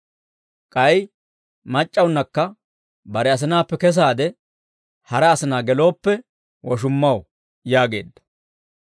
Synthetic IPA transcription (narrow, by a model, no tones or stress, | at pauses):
kʼɐj | mɐt͡ʃʼːɐwʊnːɐkːɐ | bɐɾɛɐs̬ɪnaːpːɛkɛs̬aːd̪ɛ | hɐɾɐːsɪnaːɡɛlo̞ːpːɛ | wɔʃʊmːɐw | jaːɡe̞̰ːd̪ːɐ̥